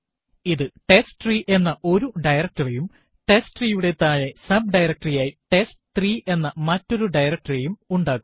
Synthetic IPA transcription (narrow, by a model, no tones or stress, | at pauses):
iðɨʈe̞sʈɨt̪riːʔe̞nːɐʔo̞ɾuɖɐjrɐk̚ʈɐrijum | ʈe̞sʈriːjuɽe̞t̪ːaːjɐsɐb̚ɖɐjɾɐk̚ʈrijaːjiʈe̞sʈɨ̥t̪riːʔe̞nːɐmɐtːo̞ɾuɖɐjrɐk̚ʈɐrɐjumuɳɖaːɣum